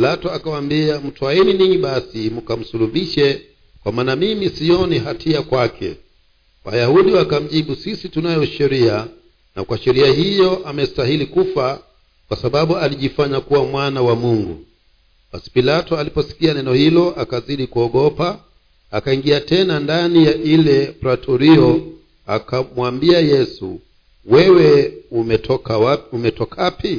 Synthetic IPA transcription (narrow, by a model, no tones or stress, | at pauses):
ilatɔakawambiam̩tuwaɛniniɲiɓasimukam̩suluɓiʃɛ | kwamaːnamimisiɔniɦatʰiakwakʰɛ̰ | wa̰jahuɗiwakam̩ʄiɓusisitunajɔʃɛɾia | na̰kwaʃɛɾiaɦijɔʔamɛstaɦilikufa | kwasaɓaɓualiʄifaɲakuwamwanawamuŋɡṵ | ɓasi̥pilatɔalipɔsi̥kianɛnɔhilɔʔakaziɗikuɔɠɔpa | akaiŋɡiatɛnandanijaʔilɛpɾatʰɔɾiɔ | a̰kamwambiajɛsṵ | wɛwɛumɛɔkaumɛtɔkapi